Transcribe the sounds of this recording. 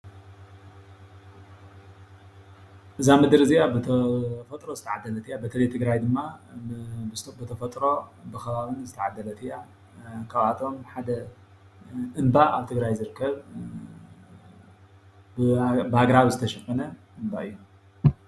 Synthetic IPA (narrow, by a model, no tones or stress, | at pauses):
ʔɨzamɨd̪ɨɾɨzijabɨt̪ʰɐfɐt̪ʼɾo̞zɨt̪ʰaʕad̪ːɐlɐt̪ʰɨjabɐt̪ʰɐlɐjt̪ʰɨɡɾajd̪ɨmːa | bɨt̪ʰɐfɐt̪ʼɾo̞bɨxɐβaβɨnzɨt̪ʰɐʕad̪ːɐlɐt̪ʰɨja | kʰaβat̪ʰo̞mħad̪ɐ | ʔɨnbaa̰βt̪ʰɨɡɾajzɨɾɨkʰːɐβ | ɨbhaɡɾaβzɨt̪ʰɐʃɐkʼːɐnɐʔɨmba̰ʔɨjːu